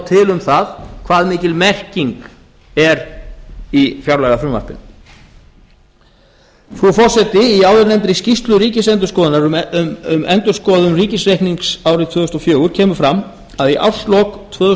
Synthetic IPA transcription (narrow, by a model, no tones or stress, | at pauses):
t̪ʰɪlʏmθaðkʰv̥aːðmiːcɪlmɛr̥ciŋk | ɛɾ | ifjawɾlaːɣafɾʏmva̰ɾ̥pɪn | fɾufɔr̥sɛt̪ɪiaːwðɪɾnɛmt̪ɾɪscist̪lʏɾiːcɪsɛnt̪̬ʏ̥skɔːðɪnaɾʏmɛnt̪ʏskɔːðʏmriːcɪsrejhkniŋksaːwɾɪt̪ʰvœːðʏst̪ɔfjœːɣʏɾ̥cʰɛːmʏ̥fɾamː | aðiʔa̰wr̥st̪lɔkt̪ʰvœːðʏ